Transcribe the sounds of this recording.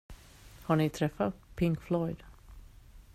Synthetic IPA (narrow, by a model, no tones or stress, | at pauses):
haɳɪt̪ʰɾɛfːapʰɪŋkflɔjd̪̥